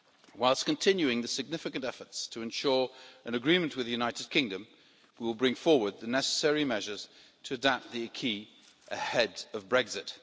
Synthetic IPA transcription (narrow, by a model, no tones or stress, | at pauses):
waɪlˠskɨ̃ntʰɪ̃njʉɪ̃ŋðɨsɨɡ̚nɪfɨkɨ̃ntɛfə˞tstʰəɨ̃nʃɔɹɨ̃nɨɡɹĩmɨ̃nʔwɨðɨjʉnaɪɾɨd̚kʰɪ̃ŋdɨ̃m | wiwəlˠbɹɪ̃ŋfɔɹwə˞d̪̚ðɨnɛsə̥sɛɹimɛʒə˞z̥ | tʰɨːdap̚t̪̚ðiɨkʰi | ʔɨhɛdʌvbɹɛɡzɪt̚